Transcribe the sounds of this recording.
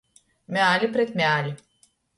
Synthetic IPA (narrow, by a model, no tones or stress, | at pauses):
mʲalʲipɾet̪mʲeaːlʲi